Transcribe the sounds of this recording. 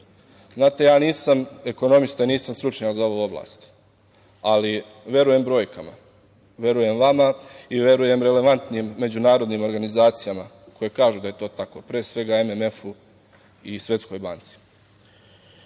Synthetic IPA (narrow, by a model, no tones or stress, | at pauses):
znaːt̪e̞jaːniːsame̞ko̞no̞mist̪ainiːsamst̪ɾut͡ʃɲakzao̞ʋoo̞blˠa̰ːst̪ | ali | ʋe̞ɾuje̞mbɾo̞ːjkama̰ | ʋje̞ɾuje̞mʋamaiʋje̞ɾuje̞mɾe̞le̞ʋant̪nimːe̞d͡ʑunaːɾo̞d̪niːmo̞ɾɡanizaːt̪sijama | ko̞jekaːʒud̪aje̞t̪o̞ːt̪ako̞pɾeːsʋe̞ɡae̞meme̞fu | isʋʲe̞t̪sko̞jba̰ːnt̪si̥